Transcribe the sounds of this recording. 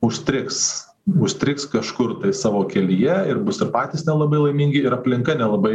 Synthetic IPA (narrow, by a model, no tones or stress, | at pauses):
ʊʃʲt̪ʲɾʲɪks | ʊʃʲt̪ʲɾʲɪkskɐʃkʊɾt̪ɐɪsɑːʋoːkʲɛlʲijɛɪɾbʊsɪɾpɑːt̪ʲiːsnʲɛlˠɐbɐɪlˠɐɪmʲiːŋʲɡʲɪɪɾɐpʲlʲɪŋkɐnʲɛlˠɐbɐɪ